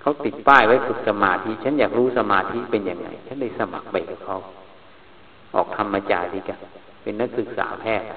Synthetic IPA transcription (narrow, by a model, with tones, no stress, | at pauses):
kʰa˦˥wt̪i˨˩t̪̚paː˥˩jwa˦˥jsu˨˩t̪̚sa˧maː˧t̪ʰi˦˥ʔt͡ɕʰa˦˥njaː˨˩k̚ɾuː˦˥sa˧maː˧t̪ʰi˦˥pe˧nja˨˩ŋːa̰˧˩jt͡ɕʰa˦˥nda˥˩jsa˧ma̰˨˩k̚pa˧jka˨˩p̚kʰa˦˥w | ʔɔː˨˩k̚t̪ʰa˧mːa˧t͡ɕaː˧jli˧ka˧˩ | pe˧nːa˦˥k̚sɯ˨˩k̚sa̰ː˩˦pʰɛː˥˩t̪̚